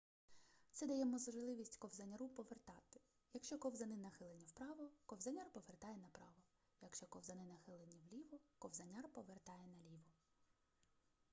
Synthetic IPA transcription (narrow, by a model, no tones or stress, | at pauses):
t̪sɛd̪ɐjɛmɔzɔʒlˠɪʋʲisʲtʲkɔwzɐnʲɐɾupɔʋert̪ɑt̪ɪ̥ | jɐkʃt͡ʃɔkɔwzɐnɪnɐxɪlˠenʲːiwpɾɑʋɔkɔwzɐnʲɑrpɔʋert̪ɑjɛnɐpɾɑʋɔ | jɐkʃt͡ʃɔkɔwzɐnɪnɐxɪlˠenʲːiwlʲiʋɔkɔwzɐnʲɑrpɔʋert̪ɑjɛnɐlʲiʋɔ